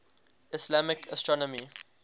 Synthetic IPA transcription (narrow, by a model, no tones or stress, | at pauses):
ɪslamɪkʰəstɹɔnɔmi